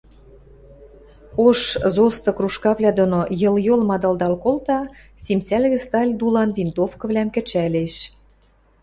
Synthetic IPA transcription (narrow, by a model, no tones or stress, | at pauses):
oʃzost̪ɤ̆kruʃkɑβlʲæd̪onojɤ̆ljolmɑd̪ɑld̪ɑlkolt̪ɑ | sʲimsælʲɣɘ̆st̪ɑlʲd̪ulɑnvint̪ofkɤ̆vlʲæmkɘ̆t͡ɕælʲeʃ